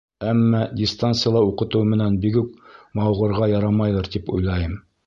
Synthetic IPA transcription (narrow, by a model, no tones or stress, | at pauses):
æmːædʲɪst̪ant̪sɨjlˠɑuqɤ̆t̪ɤwmɘ̆nænbikʉk̚mɑwʁɤ̆ɾʁɑjɑɾɑmɑjlˠɤɾt̪ipṵjlˠɑjɤm